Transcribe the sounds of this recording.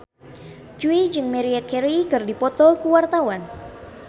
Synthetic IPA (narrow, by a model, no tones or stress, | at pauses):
d͡ʒuid͡ʒɨŋmɛɾiɛt̪̚kʰɛɾikɨrdipɔt̪ɔkuwart̪awan